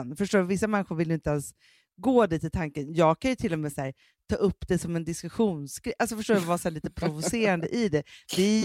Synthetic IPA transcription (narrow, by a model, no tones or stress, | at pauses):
nfœʂʈoːdvɪsːamɛnːɪɧʊɾvɪljʏɪnt̪əɛns | ɡoːd̪iːt̪ɪt̪ʰaŋkənjɑːɡ̚kʰanjɵt̪ʰɪlːɔmeːsæːɾ | t̪ʰɑ̰ːʔɵpːd̪ɛsɔmɛnd̪ɪskɵɧuːnsɡɾɛʔalsɔfœʂʈoːɾvɑːsɔæːɭiːt̪əpʰɾʊvʊseːɾand̪əʔɪd̪ɛd̪ɪ